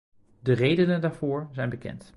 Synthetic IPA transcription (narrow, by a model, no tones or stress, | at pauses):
dərejdənəndaːɹvʊːɹzɛjnbəkɛ̰nt